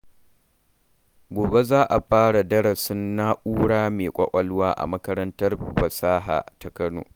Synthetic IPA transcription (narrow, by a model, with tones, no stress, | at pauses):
ɡʷoː˨be˦zaː˦ʔa˨ɸaː˦ɽa˨dɐ˦ɽɐ˨sɪ˦nːa˦ʔuː˦ɽaː˦meː˨kʷʼɐ˦kʷʼɐ˦lʊ˦waː˦ʔa̰˨mɐ˦kɐ˦ɾɐ˦ntɐ˦rɸɐ˨saː˦ɦa̰ː˨ta˨kɐ˦no̰ː˨